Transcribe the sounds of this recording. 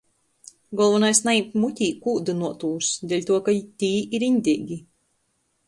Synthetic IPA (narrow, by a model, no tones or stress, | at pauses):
ɡɔlˠvɔnajsnaipmut̪ʲiːkuːd̪ɨnuɔt̪uːsd̪ʲɛlʲt̪uɔkat̪ʲiːiɾinʲd̪ʲiːɡʲi